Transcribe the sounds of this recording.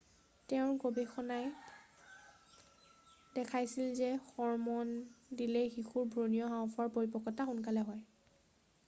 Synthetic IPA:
tɛʊ̃ɹɡobɛxɔnaj | dɛkʰajsilzɛxɔɹmɔndilɛxixuɹbʱɹonijɔɦãw̃pʰɔɹpoɹipɔkːɔtaxunkalɛɦɔj

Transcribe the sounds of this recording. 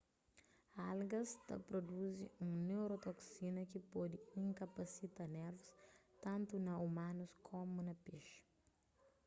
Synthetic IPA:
alɡɐst̪ɐ̰pɾod̪uziũnewɾot̪oksinɐkipɔd̪iĩŋkɐpɐsit̪anɛɾvust̪ɐ̃nt̪unɐumãnuskʰomunɐpeʃ

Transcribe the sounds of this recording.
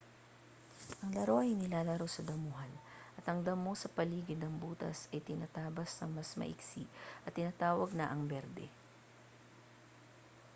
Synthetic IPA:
ʔɐŋlɐɾo̞ʔɐjnɪlaːlɐɾo̞sɐd̪ɐmuːɦɐnʔɐt̪hɐŋd̪ɐmːo̞sɐpɐliːɡɪd̪nɐŋbuːt̪ɐ̰sɐjt̪ɪnaːt̪aːbɐsnɐŋmɐsmɐ̰ʔɪ̰ksiʔɐt̪ːɪnaːt̪aːwɐɡ̚nɐʔɐŋbɛɾd̪ɛ̰

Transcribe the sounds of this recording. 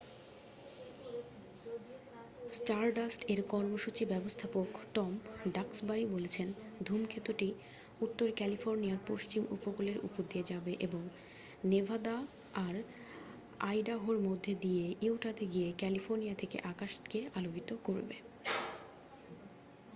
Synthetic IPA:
sʈaɾɖasʈeɾkɔɾmoʃut͡ɕibɛbost̪ʰapokʈɔmɖaksbaɾibolet͡ɕʰend̪ʱumkʰet̪uʈi | ut̪ːoɾkɛlifoɾnijaɾpoʃt͡ɕimʔṵpokoleɾṵpod̪ied͡ʑabeʔeboŋ | nebʱad̪a | aɾ | ajɖaɦoɾmod̪ʱːed̪ijeʔiwʈad̪ʰʱeɡiekɛlifoɾnijat̪ʰekḛʔakaʃkealokit̪okoɾbe

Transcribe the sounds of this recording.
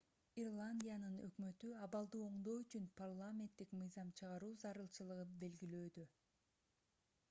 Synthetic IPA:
irlˠanʲdʲijanɯnø̞̰kmø̞t̪yɑβɑlˠd̪ɯo̞ɴd̪o̞ːyt͡ʃynpʰarlˠamʲe̞nt̪ːikmɯjzɑmt͡ʃʰɯʁɑɾuːzɑɾɯlˠt͡ʃɯlˠɯʁɯnbe̞lɡiløːd̪ø

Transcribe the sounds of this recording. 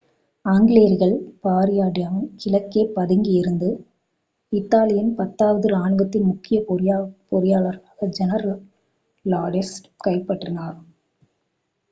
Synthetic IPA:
aːŋɡɪɭeːɾɣɐɭpaːɾɪjaːɽɪjaːmɐmkɪlɐkːeːpɐðɪŋɡiɪɾɯnd̪ɯ | ɪt̪ːaːlɪjɐnpɐt̪ːaːʋɐðɯlaːɳɯʋɐt̪ːɪnmʊkːɪjɐpɾpɔɾɪjaːɭɐɾaːɣɐd͡ʒɛnɐɾɐl | laːɖɪsʈkɐɪpːɐʈrɪnaːɾ

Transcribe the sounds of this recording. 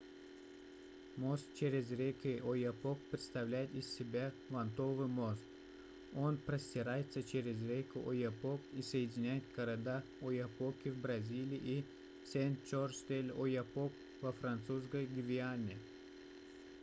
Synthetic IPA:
most̪̚t͡ɕeɾʲɪzɾʲekʲɪojapok̚pɾʲɪt̪st̪ɐvlʲæjɪt̪ɪsʲsʲɪbʲa | vɐnt̪ovɨmost̪ | onpɾəsʲtʲɪɾajɪt̪sət͡ɕeɾʲɪzɾʲekʲʊʔojapokisəjɪdʲɪnʲæjɪt̪̚kəɾad̪a | ojapokʲɪvbɾɐzʲilʲɪjʔi | sʲenʲt͡ʃorst̪ʲelʲojapok | vəfɾant̪sus̬kəjɡʲɪvʲɪanʲɪ

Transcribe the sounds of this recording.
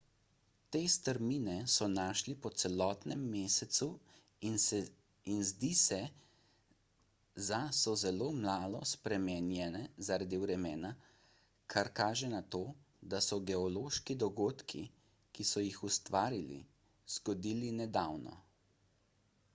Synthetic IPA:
t̪eːst̪əɾminɛsɔnaːʃlipɔt̪sɛlɔːt̪nɛmːeːsɛt̪su | inzd̪isɛ | zasɔzɛloːmlaːlɔspɾɛmɛnjɛnɛzaɾad̪iwɾɛmɛːna | kʰaɾkaːʒɛnat̪oː | d̪asɔɡɛɔloːʃkid̪ɔɡoːt̪kʰḭ | kisɔjixust̪ʋaːɾilḭ | z̥ɡɔd̪iːlinɛd̪awnɔ̰

